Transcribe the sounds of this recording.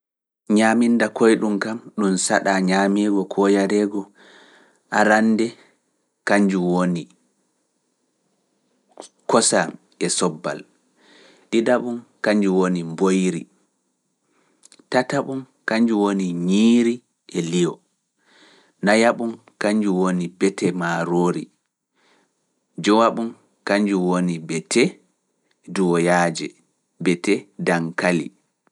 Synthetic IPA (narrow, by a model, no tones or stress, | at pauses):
ɲamindakɔjɗumkamɗumsaɗaɲaːmiːɡɔkʰɔjaɾɛɡɔ | ʔaɾandɛ | kaɲd͡ʒuwoni | kɔsa | ɛsɔbːa̰l | ɗidaɓumkaɲd͡ʒuwonimbojɾḭ | tataɓum | kaɲd͡ʒuwoniɲiːɾi | ʔɛlijɔ̰ | najaɓum | kaɲd͡ʒuwonibɛtɛmaɾoːɾḭ | d͡ʒɔwaɓum | kaɲd͡ʒuwonibɛtʰɛ | duwɔjaːd͡ʒɛ̰ | bɛtɛdaŋkalḭ